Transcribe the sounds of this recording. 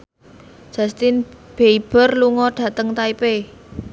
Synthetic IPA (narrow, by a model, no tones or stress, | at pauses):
ʒ̥a̤st̪ɪnb̥eib̥ə̤rluŋɔɖ̥ä̤t̪əŋt̪aipe